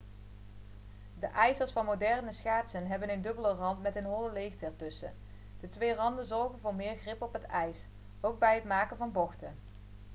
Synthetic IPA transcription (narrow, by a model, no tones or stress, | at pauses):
dəʔɛjzəɹsfɑnmodɛrnəsχaːtsənɦɛbənəndɵbələrɑntmɛtənɦoləlejxtɛɹtɵsə̰ | d̥ətʋejrɑndənzɔɹχənvʊːɹmɪːɹχrɪpɔpɦətɛjs | owɡ̚bɛjətmaːkənvɑnbɔχtə